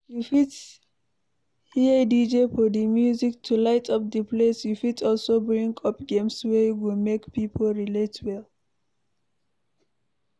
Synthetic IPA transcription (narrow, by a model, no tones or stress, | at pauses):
jufit | hidid͡ʒefɔdimjuziktʰulaɪtʰʌp̚dəpʰlesjufitɔlsobɹĩŋkʰʌpɡẽmswɛjwilmekpipʰolɹiletwɛl